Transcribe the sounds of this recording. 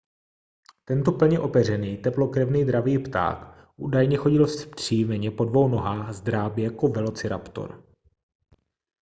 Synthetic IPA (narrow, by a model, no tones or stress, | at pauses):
t̪ɛnt̪opl̩ɲɛʔo̞pɛr̝ɛniːt̪ɛplo̞kɾɛvniːd̪ɾaviːpt̪a̰ːk | ʔuːdajɲɛxo̞ɟɪlsr̥iːmɛɲɛpo̞dvo̞wno̞ɦaːxzd̪ɾaːbɪjakovɛlo̞t͡sɪɾa̰pt̪o̞̰ɾ